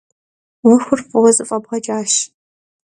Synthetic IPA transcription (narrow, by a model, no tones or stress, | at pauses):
wʊxʷʊrpʼɨwɐzɨfʼɐbʁɐt͡ʃʼaːʃ